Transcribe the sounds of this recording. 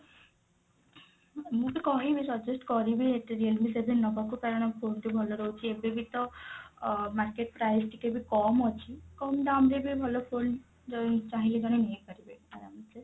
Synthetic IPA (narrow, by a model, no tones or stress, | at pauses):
mũbikɔɦibisɔd͡ʒusʈkɔɾibieʈeɾiəlbisebʱinnɔkɔkupɛɾɔɽ̃ɔpʰonʈ̪ibʱɔloɾɔɦut͡ʃʰiebebʱit̪ɔ | maɾkeʈ̚pɾajsʈikebʱikɔmɔt͡ʃʰikɔmɖ̪amɾebibʱɔlopʰon | ɔt͡ʃaɦiled͡ʒɔɽ̃inijekɔɾibeaɾamt͡ʃʰe